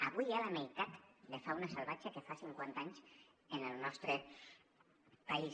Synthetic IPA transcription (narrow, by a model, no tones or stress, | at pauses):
aβujalamejt̪at̪lefaunasalβat͡ʃakefasiŋkwant̪aɲz | enelˠnɔst̪ɾe | pais